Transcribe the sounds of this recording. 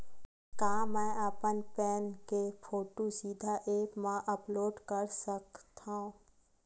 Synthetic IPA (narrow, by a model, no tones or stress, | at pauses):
kãːmɛ̃ːaːpənpɛːnkepʰoːʈosiːd̪ʱaʔeːpmãʔəploːɖkəɾsəkt̪ʰã